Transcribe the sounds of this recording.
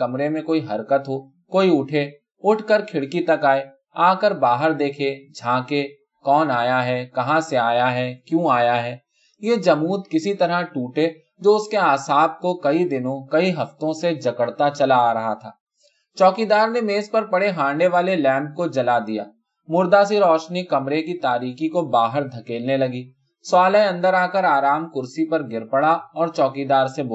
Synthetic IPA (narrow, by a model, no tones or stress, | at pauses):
ɐmɾemẽkoːiɦɐɾkət̪ɦoː | koːiʊʈʰe | ʊʈʰkəɾkʰɪɽkit̪ɐkaːe | aːkəɾbaːɦəɾd̪eːkʰed͡ʒʱãːke | kɔːnaːjaɦɛkɐɦãseaːjaɦɛːkjũaːjaɦɛː | jeːd͡ʒɐmuːt̪kɪsit̪ɐɾəʈuːʈe | d͡ʒoːʊskeaːsaːb̚kokɐid̪ɪnõkɐiɦɐft̪õsed͡ʒɐkəɽt̪at͡ʃɐlaɾɐɦa̰t̪ʰaː | t͡ʃɔːkid̪aːɾnemeːspɐɾpɐɽeɦãːɳɖeʋaːlelɛ̃ːmp̚kod͡ʒɐlad̪ija̰ː | mʊɾd̪asiɾɔːʃnikɐmɾekit̪aːɾiːkikobaːɦəɾd̪ʱɐkeːlnelɐɡiː | swaːləeɐ̃nd̪əɾaːkəɾaːɾaːmkʊɾsipɐɾɡɪɾpəɽaɔːɾt͡ʃɔːkid̪aːɾsebo